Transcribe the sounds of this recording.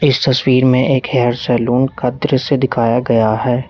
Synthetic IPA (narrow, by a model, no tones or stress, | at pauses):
ɪst̪ɐswiːɾmẽʔeːkɦɛɦɾsɛːluːnkɐd̪ɾsed̪ɪkʰaːjaɡɐjaɦɛː